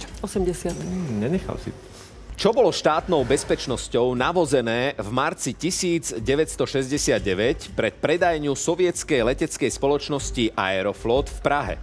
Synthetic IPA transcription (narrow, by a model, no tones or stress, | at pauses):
ɔsɛmɟɛsɪat̪ɲɛɲɛxa̰lsḭ | t͡ʃɔbɔlɔʃt̪aːt̪nɔʊbɛspɛt͡ʃnɔscɔʊnaʋɔzɛnɛːvmaɾt͡sicisiːd͡zɟɛʋɛcst̪ɔʃɛzɟɛsɪad̪̚ɟɛʋɛcpɾɛt̪̚pɾɛd̪ajɲɪusɔʋɪɛt͡skɛjlɛcɛt͡skɛjspɔlɔt͡ʃnɔsciʔa̰ɛɾɔflɔt̪fpɾaɦɛ̰